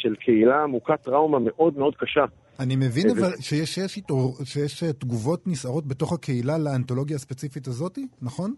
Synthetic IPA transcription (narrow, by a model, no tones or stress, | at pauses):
ʃelkʰeilaːmukatʁawmameʔo̞dmeo̞dkaʃa | anime̞vinavvalʃejeʃjeʃitoʁʃejeʃetɡuvo̞tnisaʁo̞t̚be̞to̞χhake̞ilaleanto̞lo̞ɡjaːspet͡sifitazo̞tinaχo̞n